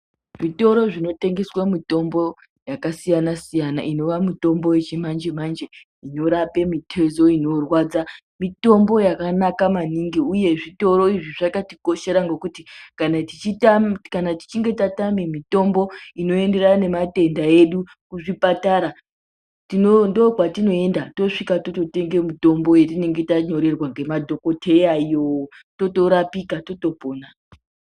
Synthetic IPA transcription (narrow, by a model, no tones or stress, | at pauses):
ʐito̞ɾo̞ʐino̞te̞ŋɡe̞swamito̞mbo̞ | jakasijanasijana̰ʔino̞ʋamuto̞mbo̞je̞t͡ʃimand͡ʒemand͡ʒe | ino̞ɾape̞mitʰe̞zo̞ino̞rwaːd͡za | mito̞mbo̞jakanakamaniŋɡiuje̞ʐito̞ɾo̞iʐiʐakatiko̞ʃe̞ɾaŋɡo̞kutikanatit͡ʃitakanati̥t͡ʃiŋɡe̞tatamemito̞mbo̞ino̞e̞nde̞rane̞mate̞ndae̞ɗu | kuʐipataɾa | tinondokwatino̞e̞ndato̞ʂikato̞to̞te̞ŋɡe̞mito̞mbo̞jetine̞ŋɡe̞taɲo̞ɾe̞rwaŋɡe̞madʱo̞ko̞tʰe̞jaijoto̞to̞ɾapikato̞to̞poːna